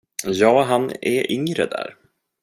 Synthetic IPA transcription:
jɑːɦanɛɾʔʏŋɾə̰d̪æ̰ːɾ

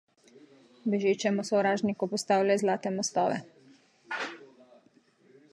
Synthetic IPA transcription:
bɛʒet͡ʃɛmɔsɔwɾaːʒnikɔpɔst̪aːwlajzlaːt̪ɛmɔst̪ɔːʋɛ̰

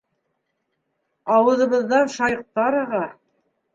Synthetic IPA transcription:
ɑwɤ̆ðɤ̆βɤ̆ðːɑnʃɑjq̚t̪ɑɾɤ̆ʁɑ

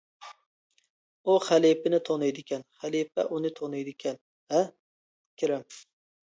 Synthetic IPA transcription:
ʊχalipɪnɪt̪ʰonajd̪ɪkʲʰanχalifa̰ʔʊnɪt̪ʰonajd̪ɪkʲʰan | a | kʲʰɪɾam

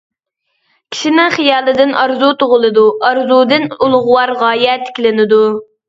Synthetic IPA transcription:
kʲʰi̥ʃinɪχijɑːlˠɨd̪ɪnɑɾzut̪oʁʊlˠɨd̪uɑɾzud̪ɨnulˠʁʊwɑɾʁɑːjɛt̪ʰɪ̥kʲilɪnɪd̪u

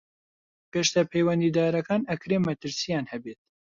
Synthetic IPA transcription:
peʃt̪ɐpʰejwɐnd̪iːd̪aːɾɐkaːnɐkɾeːmːɐt̪ɨɾsijaːnhɛbeːt̪̚

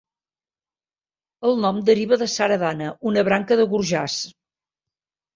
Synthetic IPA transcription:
əlˠnɔmd̪əɾiβəðəsaɾəðanəʔunəβɾaŋkəðəɣuɾʒas

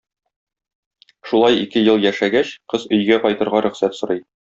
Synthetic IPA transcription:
ʃulˠɑjḭkɘjɤlˠjæʃæɡæɕqɤzɵ̆jɡæqɒjt̪ɤ̆ɾʁɑɾɵ̆χsæt̪sŏɾɤj

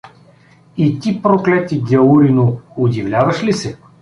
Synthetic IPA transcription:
it̪ʲipɾoklɛt̪iɡʲɐuɾinʊʊd̪ʲivlʲavɐʃlisɛ

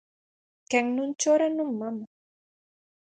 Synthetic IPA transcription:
kaŋnʊnt͡ʃaɾanʊmːam

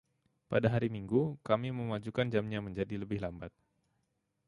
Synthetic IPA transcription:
padaɦaɾimiŋɡukamiməmad͡ʒukand͡ʒamɲaməɲd͡ʒadiləbɪhlambat̪̚

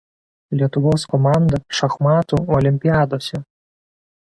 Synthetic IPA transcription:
lʲiɛt̪ʊʋɔskɔmɑnd̪ɐʃɐxmɑːt̪uɔlʲɪmʲpʲiaːd̪oːsʲɛ

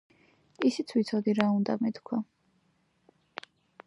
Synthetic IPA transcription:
isit̪sʰwit̪sʰɔd̪iɾaund̪amɛt̪kʰwa

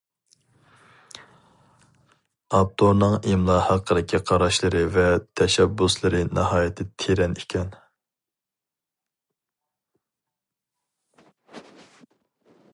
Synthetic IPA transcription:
ɑp̚t̪ʰonɨŋemlˠɑhɑqʰəd̪ɪkʲʰiqʰɑɾɑʃlˠɨɾɨvɛt̪ʰɛʃɛbːuslˠɨɾɨnɑhɑːjɪt̪ʰːɪt̪ʰeɾɛnikʲʰɛn

